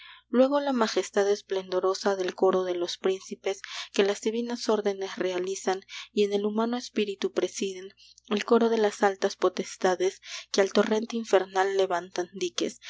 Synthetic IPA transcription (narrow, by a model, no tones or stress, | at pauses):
lwe̞ɣo̞lamaxe̞st̪aðesple̞nd̪o̞ɾo̞saðe̞lko̞ɾo̞ðe̞lo̞spɾinsipe̞ske̞lazðiβinaso̞ɾðe̞ne̞sre̞alisanie̞nelumãno̞espiɾit̪upɾe̞siðen | e̞lko̞ɾo̞ðelasalt̪aspo̞t̪e̞st̪aðe̞skealt̪o̞re̞nt̪eiɱfe̞ɾnalːe̞βant̪and̪ikes